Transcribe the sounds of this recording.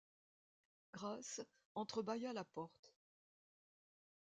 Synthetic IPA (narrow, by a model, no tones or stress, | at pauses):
ɡ̥ʁas | ɑ̃t̪χəbajalapɔʁt̪